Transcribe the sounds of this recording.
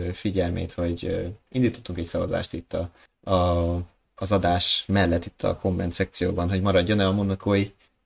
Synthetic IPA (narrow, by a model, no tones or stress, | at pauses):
fiɟɛlmḛːt̪ho̞ɟind̪iːt̪ot̪ːuŋkɛɟsɒvɒza̰ːʃt̪it̪ːɒ | zɒd̪aːʃmɛlːɛt̪ːit̪ʰːɒ̰ko̞mːɛ̰nt̪sɛk̚t̪sijo̰ːbɒnɦo̞ɟmɒɾɒɟːo̞nɛlɒmunːɒkʰoːji